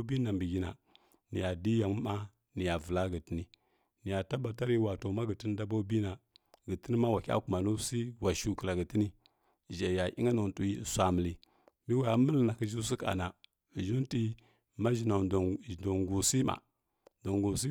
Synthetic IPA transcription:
bi˦na˨mbi˨ɡi˦na̰˨ | ni˨ja˨di˦ja˨m˦ma˦ | ni˨ja˨və˨la˦ɡə˨ti˦ni˦ | ni˨ja˨ta˦ba˨ta˦ɾi˦˨wa˨to˨ma˦ɡə˨ti˦n˦da˦bo˦bi˦na˨ɡə˨ti˦ni˦ma˦wa˨kʲa̰˦ku˨ma˨nu˦si˦wa˨ʃu˦kə˨la˨ɡə˨ti˦ni˦˨ | ʒa˨ja˨ʔḭ˦ŋa˦nu˨tu˨i˦˨sʷa˨mə˨li˦ | mi˦wa˨˦mə˦lna˨ki˦ʒi˦s̬i˦ka̰˨na˨ | ʒu˦n˦ti˦ | ma˦ʒi˨na˨do˨ŋɡu˨si˦ma̰˨ | do˨ŋɡu˨s̬i˦

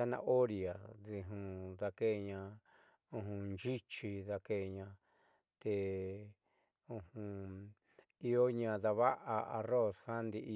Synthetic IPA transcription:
a˦nã̰˧ʔo˦ɾi˨a˨ði˧ɦũ˧ða˧ke˦˧ɲã˧ | ũ˧ɦũ˧nd͡ʒi˦t͡ʃi˧ða˧ke˧˨ɲã˧ | t̪e˧ | ũ˧hũ˧ | i˧o˦ɲã˧ða˧βa˦ʔa˧a̰˧ro˦˨sha˦nd̪i˧ʔ

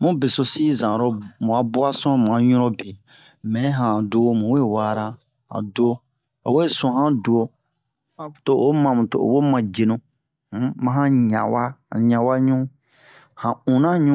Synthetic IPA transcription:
mũ˦be˨so˨si˦zã˨ɾɔ˨mũ˨a˨˦bu˦a˦sɔ̃˦m˨ã˨ɲũ˦ɾɔ˦be˨ | mɛ̃˨˦ɦã˨do˦mũ˨we˦wa˦ɾa˦ | hã̰˨do˦ | a̰˨we˦sɔ̃˨hã˦du˨o˨ | hã˦˨to˨ʔo˦mã˨mũ˨to˨o̰˨wo˦mã˨d͡ʒe˨nũ˨˦ | mã˦ɦã˦ɲã˨wa˦˨ɲã˨wa˦ɲũ˦ | hã˨ũ˨nã˦ɲũ˦

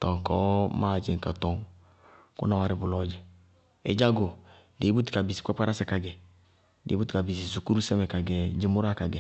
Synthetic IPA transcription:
tɔ˨ŋ˨kɔː˦maː˦˨d͡ʒɪ˨ŋ˨ka˨tɔ˨ŋ | kṵ˦na˨wa˨ɾɪ˦bʊ˨lɔ˦d͡ʒɛ˨ | ḛ˨˦d͡ʒa˦ɡo˨ | de˨˦bu˦ti̥˨ka˨bi˨si̥˨ka˦k͡pa˦ɾa˦sɛ˨ka˨ɡɛ˨ | dḛ˨˦bu˦tka˨bi˨s̬i˨su˨ku˦ɾu˦sɛ˦mɛ˨ka˨ɡɛ˨d͡ʒɪ˦mʊ˦ɾa˦ka˨ɡɛ˨

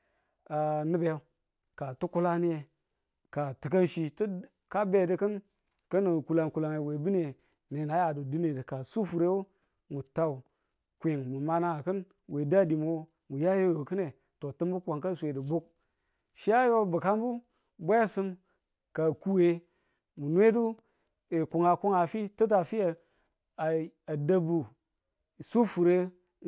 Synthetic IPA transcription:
a˨nɨ˦be˨˦ | ka˨tu˦ku˦la˦ni˦je˨ | ka˨tɨ˨k̬a˦nʃi˦ti˦ | ka˦be˦˨də˦kə˦n | kə˦ni˨ku˨la˨ŋku˨la˨ŋe˨we˨bi˦ne˨ | ne˨na˨˦ja˨du˨du˦ne˨də˨ka˨su˦fu˨ɾe˦wu˦ | mu˨ta˨u˨ | kʷe˨ŋmu˨ma˦na˨kɨ˦n | we˨da˦˨di˨mo˨˦ | mu˨ja˦jo˦o˨kɨ˦ne˨ | to˨tɨ˦mbu˦ka˨ŋka˦˨sʷe˨di˨bu˦k̚ | ʃi˦ja˦jo˦bu˨ka˦mbu˦ | bʷa˦sɨ˦m | ka˨ku˦we˦ | mu˨n˦e˦du˦ | e˨ku˨ŋa˨ku˦ŋa˨fi˦tə˦t̬a˨fi˦ja˨ | a˨a˨da˦bu˨ | su˦fu˨ɾe˦

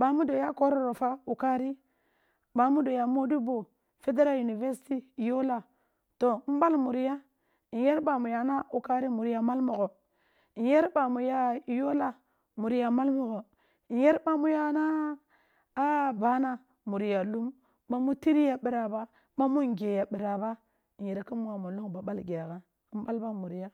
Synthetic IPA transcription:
ɓa˨mu˦do˨ja˦ko˦ɾo˨ɾo˨fa˦u˨ka˦ɾi˦ | ɓa˨mu˦do˨ja˨mo˦di˦bo˨ | fe˦de˦ɾa˦lju˨ni˨ve˦ɾsi̥˦ti˦˨jo˦la˨ | to˨˦m̩˦ba˦lmu˨ɾi˦ja˦ | i˨je˦ɾɓa˨mu˨ja˨na˦u˨ka˦ɾi˦mu˨ɾja˨ma˦lmo˨ɡo˨ | i˨je˦ɾba˨mu˨ja˦˨jo˦la˨ | mu˨ɾi˦ja˨ma˦lmu˨ɡo˨ | i˨je˦ɾba˨mu˦ja˦naː˦ | ba˦na˦ | mu˨ɾi˨ja˨lu˦mː | a˦mu˦ti˦ɾi˦ja˨ɓi˨ɾa˨ba˦ | ma˦mu˦ŋ˨ɡe˨ja˨ɓi˨ɾa˨ba˦ | i˨je˨ɾki˦mu˦wa˨mo˨lu˦ŋba˨ɓa˦lɡʲa˨ɣa˦ | m˦ba˦lba˦mu˨ɾi˦ja˦

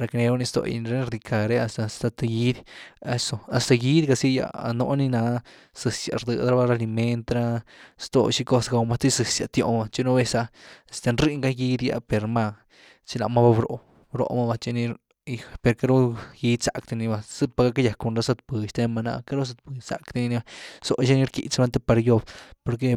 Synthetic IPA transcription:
ɾa˧kne˧bo˧˦ni˧st̪o̰˧j̰n˧ɾe˧˦n˧ɾd̪i˧kʰa˨ɾe˦a˧st̪a˧st̪a˧t̪a˧ɡi˦d̪a˧so˧a˨st̪a˧ɡi˦d̪ɡa˧si˦ja̰˧a̰˧no̰˧ni˧na˧ | sɨ˧sja̰˨ɾd̪ɨ˧d̪ɾa˦ba˧ɾa˧li˧me˧nt̪ɾa˧st̪o̰˧˨ʃi˧ko˦˧sɡa˧wma˧t̪i˦sɨ˨sja˧t̪jo̰˧˨ma˧t͡ʃi˦no˧be˧sa˧a˨st̪a˧nɾi˦ŋɡa˦ɡi˧d̪ja̰˧pe˨ɾma˧ | t͡ʃi˧la˨ma˦ba˧bɾo̰˨ | bɾo̰˧ma˧ba˧t͡ʃi˧ni˧ɾ | i˧pe˨˧ɾka˦ɾo˦ji˧t͡sa˨kt̪i˧ni˧ba˧sɨ˦pa˧ɡa˦ka˦ja˨ko˧nɾa˧˦sa˧t̪̚pɨ˨˧ʃt̪e˧ma˧na̰˧ka˦ɾo˦s̬a˧t̪̚pɨ˨t͡sa̰˨kt̪i˧ni˧ni˧a˧so˧˨ʃi˦ni˦ɾkḭ˨t͡sa˧nt̪e˧pa˧ɾjo˧bpo˧ɾk̬e˧

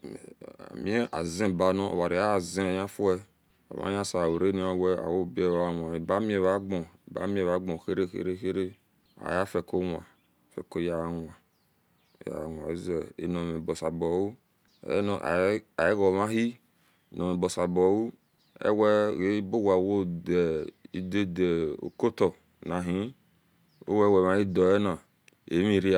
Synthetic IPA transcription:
a̰˨mĩ˦e˦ʔa̰˨zẽ˦˨ba˨nɔ̃˦o̰˨wa˨ɾi˨a˦˨zẽ˦˨jã˦fu˦ɛ˦ | o̰˨ma̰˦jã˦sa˨wo˨ɾe˦ni˨˦a˦˨wɛ˦a̰˨wo˦˨be˦˨a˨˦a˨nʷ˨a˨i˨ba˨˦mĩ˦e˨βa˦ɡ͡bɔ˨ba̰˦mĩ˦e˨βa˦ɡ͡bɔ̃˨xe˦ɾe˦xḛ˦ɾe˦xe˦ɾe˦ | a̰˨ja˦fɛ˨ko˦nʷ˨a˨ | fɛ̰˨ko˦ja˨n˨a˨ | ja̰˨nʷ˨a̰˨i˦zɛ˨ḛ˨nɔ˨me˨bɔ˨sa˨bɔ˨wṵ˦˨˦ | a˨e˦ɣɔ˨ma˦ɦi˦˨ | nɔ˨me˨bɔ˨sa˨bɔ˨wu˦ | ɛ̰˦wɛ˦ɣe˦bo˦ɡa˨wo˦de˨i˦de˦de˨o̰˨ko˦tɔ˨ | na˨ɦĩ˦ | o̰˦wɛ˦wɛ˨ma˨˦i˦dɔ˨ɛ˦na˨ | ḛ˨˦mi˨ɾi˦a˨

